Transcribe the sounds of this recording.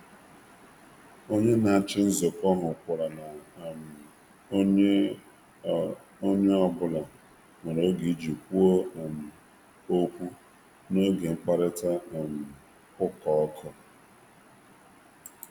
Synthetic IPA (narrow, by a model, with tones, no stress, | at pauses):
o˦ɲe˦na˨a˨t͡ʃɪ˦n̩˦zo˨kɔ˦ɦʊ˨kʷʊ˨ɾa˨na˨˦ | o˦ɲe˦ɔ˨bʊ˦la˨ | ŋa˨ɾo˨˦ɡi˨˦d͡ʒi˨kʷu˦o˦˨m̩˨ | o˦kʷu˦ | no˦ɡe˨ŋ͡m̩˦k͡pa˦ɾɪ˦ta˦˨m̩˨ | kʊ˦kɔ˨ɔ˦kʰɔ˦